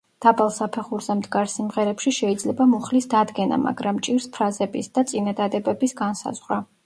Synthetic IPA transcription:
d̪̥abalˠsapʰɛχuɾzɛmd̪ɡaɾsimʁɛɾɛpʃiʃɛid̪zlɛbamuχlisd̪ad̪ɡɛna̰ma̰ɡɾamt͡ʃʼiɾspʰɾazɛbisd̪̥at̪sʼinad̪ad̪ɛbɛbisɡansa̰zʁɾa

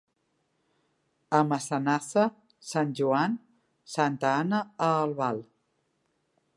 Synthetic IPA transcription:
əməsənasə | sanʲʒuan | sant̪əanəːlˠβalˠ

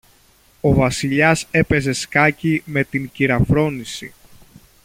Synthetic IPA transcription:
o̞vɐsiʎɐse̞pe̞ze̞skɐcime̞t̪iŋciɾɐfɾo̞nisḭ

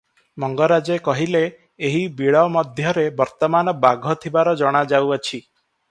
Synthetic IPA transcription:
mɔŋɡɔɾad͡ʒekɔɦileː | ɦibiɭɔmɔd̪ʱjɔɾebɔɾt̪ɔmanɔbaɡʱɔt̪ʰibaɾɔd͡ʒɔɽ̃ad͡ʒawat͡ʃʰi

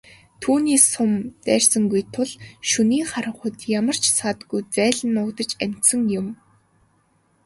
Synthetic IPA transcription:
t̪ʰuːniːsʊmt̪æːrsə̆ŋɡujt̪ʰʊɮʃuniːχaɾə̆ɴχʊt̪jamə̆r̥t͡ɕʰsat̪ɡujt͡sæːɮə̆nːʊːkt̪ə̆t͡ɕæm̥ʲt̪sə̆ŋjʊm

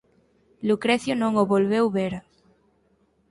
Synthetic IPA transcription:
lukɾeθjonõŋoβolβewβeɾ

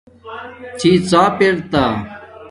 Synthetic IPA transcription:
t͡ɕʰiːt͡saːpeɽt̪aː

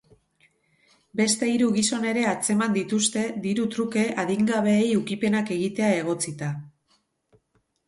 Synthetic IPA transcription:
be̞st̪e̞iɾuɣiso̞ne̞ɾe̞at͡se̞mand̪it̪ust̪e̞d̪iɾut̪ɾuke̞ʔaðiŋɡaβ̞e̞ːjukipe̞nake̞ɣit̪e̞ae̞ɣ̞o̞t͡sit̪a

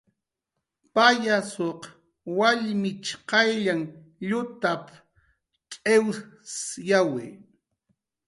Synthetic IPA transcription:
pajasoq | waʎmɪt͡ʃqɑjʎaŋ | ʎʊt̪ap | kʼewsjawɪ

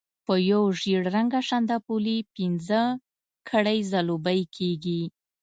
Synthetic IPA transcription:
pəjowʒiɽɾaŋɡaʃand̪apulipinzə | kʰaɽajzalobəjkʰeɡi

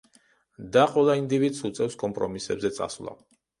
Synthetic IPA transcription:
d̪aqʼwɛlˠaind̪ivid̪sut̪sʼɛfskʼɔmpʼɾɔmisɛbzɛt̪sʼa̰slˠa̰

